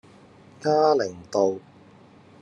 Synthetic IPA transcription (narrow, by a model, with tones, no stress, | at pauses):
kaː˥lɪ˨˩ŋt̪o˨˧w